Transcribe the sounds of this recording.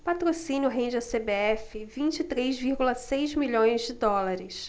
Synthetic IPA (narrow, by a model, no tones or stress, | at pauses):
pat̪ɾosĩnjʊɦẽd͡ʒɪɐsebeɛfɪvĩnt͡ʃɪit̪ɾezviɾɡulɐsejzmiʎõj̃zd͡ʒɪd̪ɔlaɾɪs